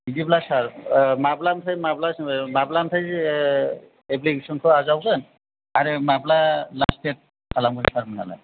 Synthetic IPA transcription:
idiblasaɹmablamtʰajmablasmablamtʰaj | ebliɡesɔnkʰɔazawkan | aɾemablalastet̚ | kʰalamɡuɾisaɹmana̰la̰j

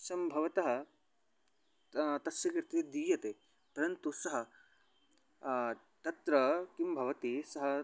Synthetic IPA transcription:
sɐmbʱɐʋɐt̪ɐɦɐ̆ | t̪ɐsjɐkɾt̪id̪iːjɐt̪eː | pɐɾɐnt̪usɐɦɐ | t̪ɐt̪ɾɐkimbʱɐʋɐt̪isɐɦɐ

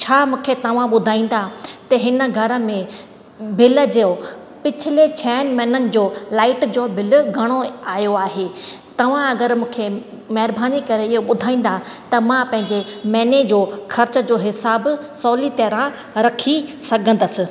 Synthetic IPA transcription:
t͡ɕʰaːmũːkʰet̪ɐʋ̤ãɓʊd̪ʱaːĩːn̆d̪at̪ɐɦɪnə̆ɡʱɐɾə̆mẽ | bʱɪlə̆d͡ʑeo | pɪt͡ɕʰɪlet͡ɕʰɛːnmɛːnənɪ̆d͡ʑoːlaːɪʈd͡ʑoːbʱɪlʊɡʱɐɽ̃oaːjoaːɦeː | t̪ɐʋ̤ãɐɡəɾmũːkʰe | mɐɦɪɾbaːnikɐɾeɪɦoɓʊd̪ʱaːĩːn̆d̪at̪ɐmãpɐ̃ɦɪ̃ɲd͡ʑemɛːned͡ʑoːxɐɾt͡ɕə̆d͡ʑoːɦɪsaːbsɔːlit̪eːɾã | ɾɐkʰisɐɡʱə̃nd̪əsɪ̆

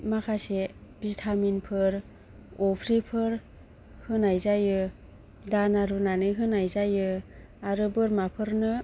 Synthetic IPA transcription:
makʰasebiztʰaminpʰɯɾ | ɔpʰɾipʰɯɾ | hɯnajzajɯ | danaɾunanɯjɦɯnajzajɯ | aɾɯbɯɾmapʰɯɾnɯ

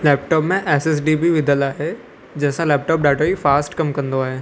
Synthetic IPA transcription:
lɛːp̚ʈɔːpmẽʔɛːsɛs̬ɖibʱiʋɪd̪ʱəlaːɦe | d͡ʑɐ̃ɦɪ̃sãlɛːp̚ʈɔːp̚ɖaːʈoifaːsʈkɐmkɐ̃nd̪oaːɦeː

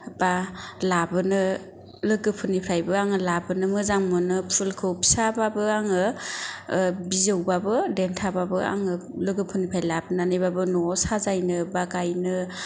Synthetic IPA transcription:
b̥alabɯnɯ | lɯɡɯpʰɯnipʰɾajbɯaŋɯlabɯnɯmɯzaŋmɯnɯpʰulkʰɯwpʰi̥sababɯaŋɯ | bizɯwbabɯdentʰababɯa̰ŋɯlɯɡɯpʰɯnipʰɾajlabɯnanɯjbabɯnɔsazajnɯbaɡajnɯ

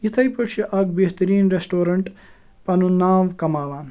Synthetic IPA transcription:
it̪ʰɐjpɐt͡ʃʰiʔɐɡbeht̪ɐɾiːnɾesʈoːɾɐɳʈ | pɐnunaːʋkɐmaːʋaːn

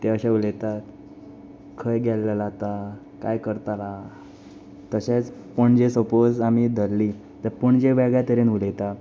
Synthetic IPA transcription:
t̪eəɕaulet̪at̪ | kʰəjɡʱɛllalat̪a | kajkəɾt̪ala | t̪əɕet͡spəɳd͡ʑesəpod͡zamid̪ʱəlːi | t̪əɾpəɳd͡ʑeʋɛɡɭjat̪əɾenulet̪a

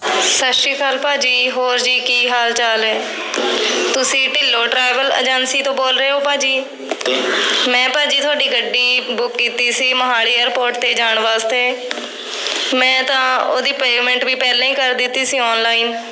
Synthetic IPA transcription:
səʃiːkʰaːlpaːd͡ʒiːɦoːɾd͡ʒiːkiːɦaːlt͡ʃaːlɛː | t̪ʊsĩːʈɪlːoːʈɾaːɪʋələ̰d͡ʒənsiːt̪õːboːlɾəeːɦoːpaːd͡ʒiː | mɛ̃ːpaːd͡ʒiːt̪ʰʊaːɖiːɡəɖːiːbʊkːiːt̪iːsiːməɦaːliːeːɾpoːɾʈt̪eːd͡ʒaːɳʋaːst̪eː | mɛ̃ːt̪ãːoːd̪iːpeːɡmɛ̃ɳʈbiːpɛːlãːĩːkəɾd̪ɪt̪ːiːsiːɔːnlaːiːn

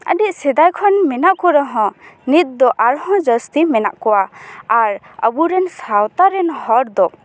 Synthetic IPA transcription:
ə̰ɖiʔ̚sɛd̪ajkʰɔnmɛnaʔkɔɾɔɦɔ̃nit̪̚d̪ɔʔaɾhɔ̃d͡ʒəst̪imɛna̰ʔkɔwaaɾ | ə̰buɾɛnsawt̪aɾɛnhɔɾd̪ɔ

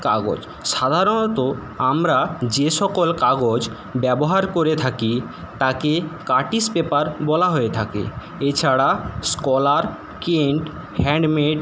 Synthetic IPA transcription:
kaɡo̰d͡ʑ | ʃad̪ʱaɾonot̪o | amɾad͡ʑeʃɔkolkaɡod͡ʑ | bɛboɦaɾkoɾet̪ʰaki | t̪akekaʈispepaɾbɔlaɦoet̪ʰakḛ | et͡ɕʰaɽaskɔlaɾ | keɳʈ | hɛɳɖmeɖ

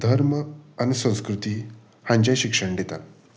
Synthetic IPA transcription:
d̪ʱəɾməañisə̃w̃skɾut̪iː | hãɲd͡ʑajɕikʂəɳɖ̪et̪at̪

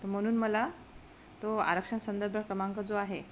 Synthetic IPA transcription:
t̪əm̤əɽ̃uːnməla | t̪oa̰ɾəkʂənsənd̪əɾbʱəkɾəmaŋkəd͡zoaɦe

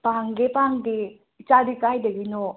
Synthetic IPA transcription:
paŋɡepaŋɡe | it͡ʃadikajdɐɡino

